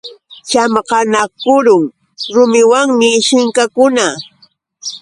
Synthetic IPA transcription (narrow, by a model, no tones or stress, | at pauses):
t͡ʃamqɑnakʊɾʊŋ | ɾʊmɪwaŋmɪʃɪŋkakʊna